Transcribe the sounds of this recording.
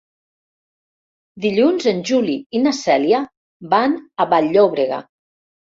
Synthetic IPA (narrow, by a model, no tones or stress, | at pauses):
d̪iʎunzənʲʒuliinasɛlja | banaβaʎːoβɾeɣa̰